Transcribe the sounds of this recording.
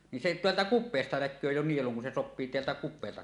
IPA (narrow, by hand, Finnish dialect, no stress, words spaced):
nin se teæltæ kupˑeːstɑ nækˑøː jo nieluŋ kun se sopːiː teæltæ kupˑeːltɑ